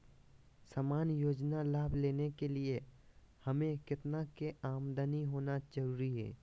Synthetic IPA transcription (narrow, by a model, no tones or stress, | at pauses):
samaːnjoːd͡ʒnalaːbʱleːnekelie | hɐmẽkɪt̪nakeaːmd̪əniɦoːnad͡ʒəɾuːɾiɦɛ̰ː